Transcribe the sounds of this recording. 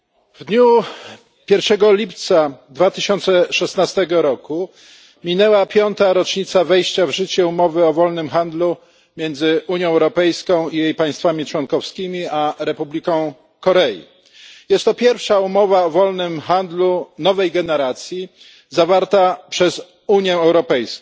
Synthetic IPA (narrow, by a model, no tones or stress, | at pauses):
vd̪ɲu | pʲjɛɾfʂɛɡɔlʲipt̪sad̪vat̪ɘɕɔnt̪sɛʂɛsnast̪ɛɡɔɾɔku | mʲinɛwapʲjɔnt̪aɾɔt͡ʂɲit̪savɛjɕt͡ɕavʐɘt͡ɕɛumɔvɘɔvɔlnɘmxand̪lu | mʲjɛnd̪zɘʔuɲjɔ̃ɛwɾɔpɛjskɔ̃w̃ijejpãj̃st̪famʲit͡ʂwɔnkɔfskʲimʲiaɾɛpublʲikɔ̃w̃ | kɔɾɛjḭ | jɛst̪ːɔpʲjɛɾfʂaumɔvaɔvɔlnɘmxand̪lunɔvɛjɡɛnɛɾat̪sʲji | zavaɾt̪apʂɛz | uɲjɛɛwɾɔpɛjsk